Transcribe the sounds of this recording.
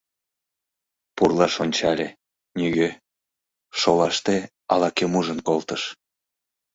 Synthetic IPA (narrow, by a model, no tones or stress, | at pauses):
purlɑʃonʲt͡ɕɑlʲe | nʲyɣø | ʃolɑʃt̪e | ɑ̰lɑkemuʒənkolt̪əʃ